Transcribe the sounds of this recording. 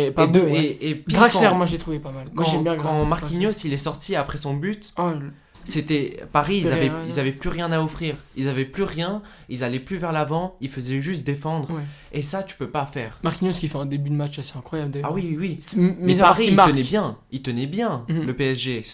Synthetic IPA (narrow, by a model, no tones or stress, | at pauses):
epd̪eepɡʁãɛʁmwaʒet̪χuvepamalmaɑʒ̃ɛmbjɛ̃ɡkɑ̃maʁkinjosilɛsɔʁt̪ʰiapχɛsɔ̃byt̪ | set̪ɛpaʁiːzavɛilzavɛplyʁjɛ̃naɔfχiːʁilzavɛplyʁjɛ̃ | ilzalɛplyvɛʁlavɑ̃ilfəzɛʒyst̪̚d̪efɑ̃d̪ʁwɛ | esat̪y̥pøpafɛːʁmaʁkʲinjoskʲifɛɛ̃d̪ebyd̪mat͡ʃaseɛ̃kχwajabld̪awiwiwimɛpaʁilənɛbjɛ̃ilt̪ənɛbjɛ̃ləpeɛsʒe